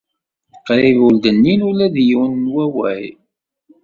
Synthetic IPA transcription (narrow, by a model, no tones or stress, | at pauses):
qːɾivuld̪ənːinulæðjuwnnwæwæ̰j